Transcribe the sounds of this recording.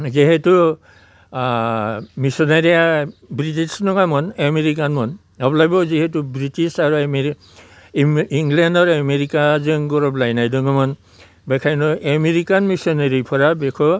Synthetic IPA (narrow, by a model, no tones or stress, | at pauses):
ziɦɛtu | misɔnaɹijabɹitisnɔŋɡamɔnameɹik̬anmɔn | ɔblajbɔziɦɛtubɹitisaɹum | iŋɡlɛndɔɹameɹikazɯŋɡɔɹɔblajnajdɔŋɡamɔn | bɛkʰajnɔʔɛmeɹikanmisɔnaɹipʰɔɹabɛkʰɔ